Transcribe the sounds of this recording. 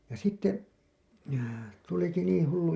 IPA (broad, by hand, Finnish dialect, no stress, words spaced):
jɑ sitːe tuliki niːĩ hulːu